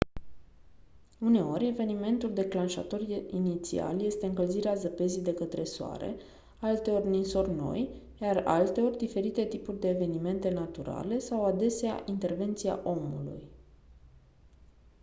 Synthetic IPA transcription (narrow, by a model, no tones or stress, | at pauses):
une̞o̞ɾʲe̞ve̞nime̞nt̪uld̪e̞klanʃa̰t̪o̞rinit̪sḭa̰lje̞st̪e̞ɨŋkəlziɾeazəpe̞zijd̪e̞kət̪ɾe̞soa̰ɾe̞̰ | alt̪e̞o̞rʲninso̞rʲno̞̰j | jara̰lt̪e̞o̞rʲd̪ife̞ɾit̪e̞t̪ipurʲd̪e̞ːve̞nime̞nt̪e̞nat̪uɾa̰le̞sawad̪e̞sea̰ʔint̪e̞rve̞nt̪sia̰ʔo̞mṵlṵj